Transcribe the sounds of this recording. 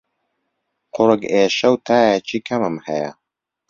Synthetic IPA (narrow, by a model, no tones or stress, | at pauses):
qʰʊɾɨɡeːʃɐwt̪ʰaːjɛt͡ʃʰiːkʰɐmɨmhɐjɐ̰